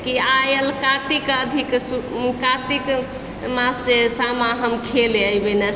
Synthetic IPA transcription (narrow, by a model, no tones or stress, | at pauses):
kiajəlkat̪ikəd̪ʱiksukat̪ik | masesamaɦəmkʰeleəjbenə